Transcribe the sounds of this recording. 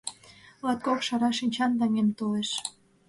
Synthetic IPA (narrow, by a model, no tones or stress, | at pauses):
lɑt̪̚kokʃɑɾɑʃinʲt͡ɕɑnd̪ɑŋemt̪oleʃ